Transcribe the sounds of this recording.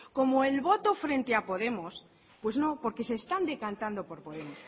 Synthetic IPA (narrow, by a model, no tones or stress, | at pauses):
ko̞moelβo̞t̪ofɾe̞nt̪eapo̞ð̞e̞mos | pwe̞zno̞po̞ɾke̞seːst̪and̪ekant̪and̪o̞po̞ɾpoðe̞mos